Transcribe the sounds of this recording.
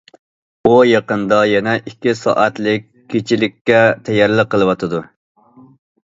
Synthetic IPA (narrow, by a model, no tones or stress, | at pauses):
ujeqənd̪ɑjɛnɛʔikʲːisɑ̰ːʔæt̪lɪkʲkʲʰːet͡ʃʰilɪkʲːɛt̪ʰɛjɛɾlˠəqːəlˠɨwɑt̪ʰɨd̪u